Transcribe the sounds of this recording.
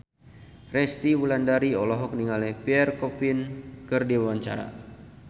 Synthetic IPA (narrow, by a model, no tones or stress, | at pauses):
rɛst̪iwulandaɾiɔlɔɦɔk̚niŋalɛhpiɛrkɔpinkɨrdiwawaɲt͡ʃa̰ɾa̰